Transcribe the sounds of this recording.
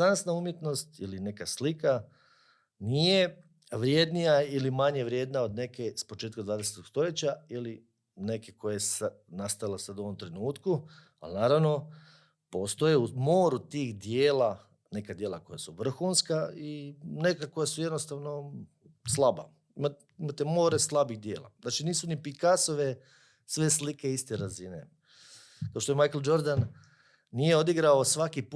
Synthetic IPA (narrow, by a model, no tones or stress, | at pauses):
ansnaumjet̪no̞st̪iline̞kaslika | nije̞ | ʋɾje̞d̪nijailimaɲeʋɾje̞ːd̪nao̞d̪ne̞kespo̞t͡ʃeːt̪kamd̪ʋaːd̪eset̪oɡst̪o̞je̞t͡ɕaili | ne̞keko̞jes | nast̪ajilasad̪uoʋo̞mt̪ɾe̞nuːt̪ku | a̰lnaːɾaʋno̞ | po̞st̪ojeumoːɾut̪iːxd̪jeːla | ne̞kad̪je̞ːlˠako̞jasuʋr̩xunskaine̞kako̞jasujed̪nost̪aʋno̞ | slˠaba̰ | ima | imat̪emo̞ːɾeslˠabixd̪je̞ːlˠa̰naːt͡ʃiniːsunipikaso̞ʋe | sʋe̞slikeist̪eɾazinḛ | kaoʃt̪oemajkeld͡ʒo̞ɾd̪an | nije̞o̞d̪iɡɾaosʋakip